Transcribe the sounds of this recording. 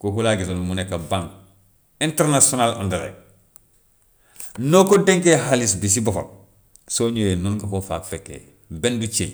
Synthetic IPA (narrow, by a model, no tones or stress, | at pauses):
kokulaɡitolmunekːabãŋɡ | inteɾnasionalṵndɐɾḛ | nokodeŋkehalisbis̬ibofo̰k̚ | soɲojenunɡakofaːkfekːḛ | bendut͡ʃḛ